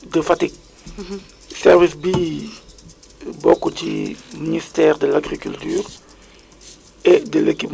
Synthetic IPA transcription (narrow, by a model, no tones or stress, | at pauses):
dəfatik̚ | sɛʁvisbi | bokut͡ʃḭministɛːʁdəlaɡʁikyltyːʁ | ɛdəlekip